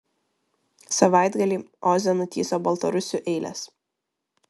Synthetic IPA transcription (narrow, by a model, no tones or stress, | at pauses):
sɐʋɑˑɪd̪ɡɐlʲiːɔzʲɛnʊt̪ʲiːsoːbɐlˠt̪ɐɾʊsʲuːˑʔɛɪlʲɛ̰s